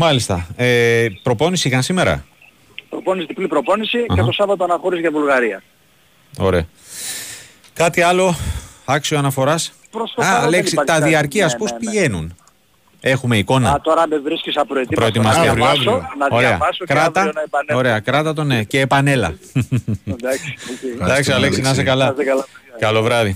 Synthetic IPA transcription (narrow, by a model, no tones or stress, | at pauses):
mɐlist̪ɐepɾo̞po̞nisiikɐnsime̞ɾɐ̰ | pɾoponisit̪iplipɾo̞po̞nisicet̪osɐvɐt̪oɐnɐxo̞ɾizʝɐvulɣɐɾiɐ | o̞̰ɾe̞ɐ | kɐt̪iɐlo̞ɐksioɐnɐfo̞ɾɐs | pɾosɐleksit̪ɐðiɐɾciɐspospiʝe̞nun | e̞xumeiko̞nɐ̰t̪oɾɐbevɾiskisɐpɾoet̪ipɾoet̪imɐsɐsonɐoɾeɐ̰ɐsokɾɐt̪ɐɐpɐnoɾe̞ɐkɾɐt̪ɐt̪o̞neceːpɐne̞lɐ̰ | d̪ɐksd̪ɐksiɐleksinɐs̬ekɐlɐskɐlkɐlo̞vɾɐði